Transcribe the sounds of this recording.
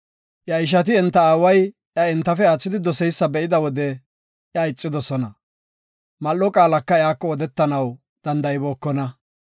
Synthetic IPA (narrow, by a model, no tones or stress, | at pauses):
ʔjɐɪʃ̬ɐt̪̬ɪɛnt̪ːɐaːwɐj | ʔjɐɪnt̪ːɐfɛaːt͡sːɪd̪ɪd̪ɔsɛjsːɐbɛʔɪd̪ɐwɔd̪ɛ | ʔjɐɪt͡sʼːɪd̪ɔsɔnɐ | mɐlːɔkʼaːlɐkːɐɪaːkːɔːd̪ɛt̪ːɐnɐw | d̪̥ɐnd̪ɐjboːkːɔnɐ